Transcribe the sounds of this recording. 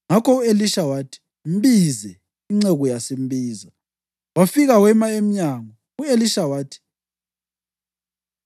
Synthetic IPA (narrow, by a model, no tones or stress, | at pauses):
ŋakɔueliʃawatʰi̥ | m̩bizɛ | iŋ͡ǀɛɣɔjasem̩biːza | wafiɣawɛmaem̩ɲaŋɔ | ueliʃawaːtʰi̥